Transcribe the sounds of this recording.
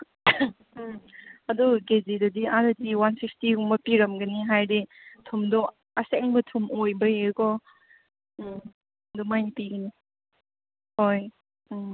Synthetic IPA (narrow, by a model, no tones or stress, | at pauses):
ɐduɡezidɐdiaɾɐdiwansik̚stiuŋmɐpiɾɐmɡɐniɦajditʰumdɔ | ɐseŋbɐtʰumojbɐjekɔ | dumajnpiɡɐni | hoj